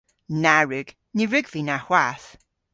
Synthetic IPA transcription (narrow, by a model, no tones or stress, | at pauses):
naɹʉɡ̥ | niɹʉɡvinahwaθ